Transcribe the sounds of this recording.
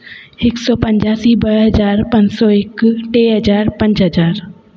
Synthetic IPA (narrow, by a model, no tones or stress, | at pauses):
ɦɪksɔːpɐ̃ɲd͡ʒaːsibɐɽɦɐzaːɾpɐ̃ɲd͡ʑsɔːɪkʈeːɦɐzaːɾpɐ̃ɲd͡ʒɦɐd͡ʒaːɾ